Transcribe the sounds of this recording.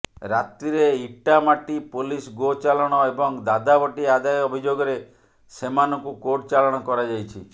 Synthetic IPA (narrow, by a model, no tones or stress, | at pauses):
ɾat̪ɾiɾeiʈamaʈipolisɡot͡ʃalɔɽ̃ɔebɔŋd̪ad̪abɔʈiad̪ajɔbʱid͡ʒoɡɔɾe | semanɔŋkukoʈt͡ʃalɔɽ̃ɔkɔɾad͡ʒajt͡ʃʰi